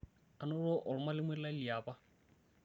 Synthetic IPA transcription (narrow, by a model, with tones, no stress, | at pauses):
a˨nʊ˦lʊ˦ʔʊ˨lʊ˦ma˦lɪ˦mwɛ˦la˦li˨aː˨ba˦